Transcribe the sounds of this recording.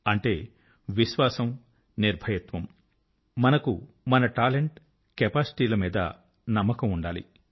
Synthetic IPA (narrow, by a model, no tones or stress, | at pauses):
ɐɳʈe̞ː | ʋiʃʋaːsɐm | niɾbʱɐjɐt̪ʋɐm | mɐnɐku | mɐnɐʈaːleɳʈ | kɛpaːsʈiːlɐmiːd̪ɐ̰ | nɐmːɐkɐmuɳɖaːlḭ